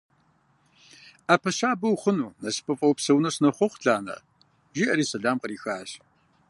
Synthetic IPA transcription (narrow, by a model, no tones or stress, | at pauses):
aːpʰɐɕaːbɐwχʷʊnuːnɐspʰʼɐfʼɐwpsɐwnɐɕnɐχʷɔχʷɬaːnɐ̰ | ʒiːʔɐɾiːsɐɮaːmqəɾiːxaːɕ